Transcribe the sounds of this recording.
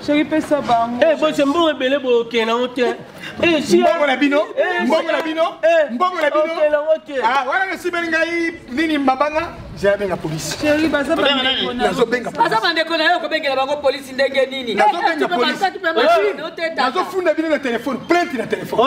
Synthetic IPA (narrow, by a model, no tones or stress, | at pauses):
sokipesabaŋɡoebosem̩boŋɡebelebojokɛnaŋotɛ | esiboŋɡonabinom̩boŋɡonabinom̩boŋɡonainokeaŋɡokɛawananasimɛliŋɡai | ninimabaŋɡa | zaabeŋɡapolisi̥soibazannazobeŋɡabazamandekonajokobeŋɡelabaŋɡopolisindeŋɡenininazobeŋɡaosatipamanaotɛtanazofundabinonatelefɔnplɛ̃ntinatelefɔ